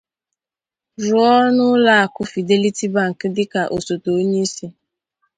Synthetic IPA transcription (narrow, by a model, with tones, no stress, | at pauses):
ɾʊ˨ɔ˦nʊ˦la˦˨a˨kʊ˦fi˨de˦li˦ti˦ba˨ŋ̩˨kɪ˦dɪ˦ka˨ʔo˨so˨to˨o˦ɲe˦se˦